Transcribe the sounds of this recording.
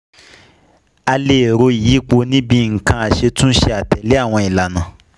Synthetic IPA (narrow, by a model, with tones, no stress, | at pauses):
a˧le˨ɾo˧i˨i˨˦k͡po˧nĩ˦bĩ˧˨ŋ̩˨kã˧a˨ʃe˧tũ˦ʃe˧a˨tɛ˨le˦a˦˨w̃ɔ̃˧i˨la˨nã˨